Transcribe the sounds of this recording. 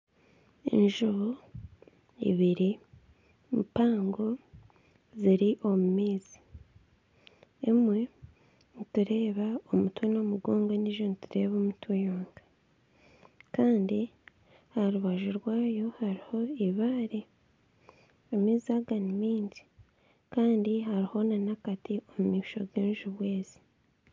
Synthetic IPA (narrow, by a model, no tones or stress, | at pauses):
ḛnʒuɾo | ḭβiɾi | mpaːŋɡo̞ | ziɾiʔo̞mumiːzi | emwe̞ | nituɾe̞ːβaomutwuno̞muɡoːŋɡaniʒonituɾe̞ːβoːmutujoːŋɡḁ | kaːndi | haɾuβaʒuɾwaːjo̞haɾiho̞iβaːɾe | omiːzihaɡanimiːɲɟi̥ | kaːndihaɾiho̞nanakatio̞mumiːʃoɡeːnʒuβwe̞ːzi̥